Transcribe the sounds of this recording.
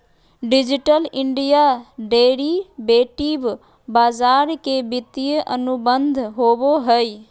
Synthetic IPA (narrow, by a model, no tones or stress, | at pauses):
ɖid͡ʒiʈəlɪɳɖijaɖeːɾibeːʈib | baːd͡ʒaːɾkebɪt̪ijəʔənubənd̪ʱɦoboɦəj